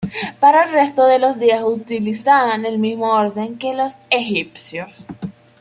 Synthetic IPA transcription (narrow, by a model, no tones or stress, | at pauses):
paɾaelre̞st̪o̞ðe̞lo̞zðiasut̪ilisaane̞lmizmo̞oɾðe̞ŋke̞lo̞se̞xip̚sjos